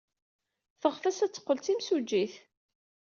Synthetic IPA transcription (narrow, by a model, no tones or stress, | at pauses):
θəʁfæsæt͡sːə̥qːəlt͡s̪imsud͡ʒːiθ